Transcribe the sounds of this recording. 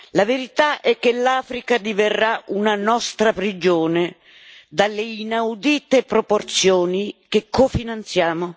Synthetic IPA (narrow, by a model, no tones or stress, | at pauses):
laveɾit̪aʔɛkːelaːfɾikad̪iverːaunanɔst̪ɾapɾid͡ʒoːne | d̪alːeinawd̪iːt̪epɾoport̪sjoːnikekːofinant̪sjaːmo